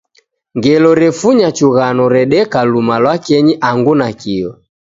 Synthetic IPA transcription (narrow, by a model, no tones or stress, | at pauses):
ŋɡɛlɔɾɛfuɲat͡ʃuɣanɔɾɛɗɛkalumalwakɛɲiʔaŋɡunakiɔ